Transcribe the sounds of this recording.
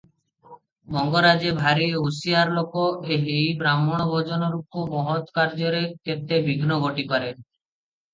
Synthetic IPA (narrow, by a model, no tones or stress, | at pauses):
mɔŋɡɔɾad͡ʒebʱaɾiosiaɾlokoʔeɦejbɾamɔɽ̃ɔbʱɔd͡ʒɔnɔɾupːomɔɦɔt̪kaɾd͡ʒɔɾeket̪ebʱiɡʱnɔɡɔʈikaɾe